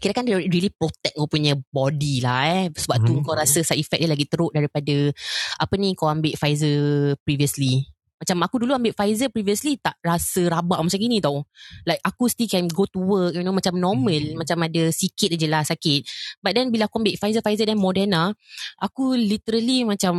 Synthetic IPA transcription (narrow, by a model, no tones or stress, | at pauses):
kiɾaʔkandaɾilipɾot̪ɛk̚kawpuɲə̃bɔdilahɛsəbap̚t̪uŋkawɾasəsaʔifɛk̚dilaɡit̪əɾʊʔ̚daɾipadaapənĩkawambɪʔfajzəpɾiviəsli | mat͡ʃamakuduluambɪʔfajzəpɾiviəslit̪aʔrasəɾabaʔmat͡ʃamɡinĩt̪awlajk̚akust̪ilkɛnɡot̪uwək̚jinomat͡ʃamnɔmə̃lmat͡ʃamadəsikɪt̪̚ad͡ʒəlasːakɪt̪̚bat̪̚dɛnbilaakuambɪʔfajzəfajzədɛnmɔdɛnaʔakulit̪əɾəlimãt͡ʃam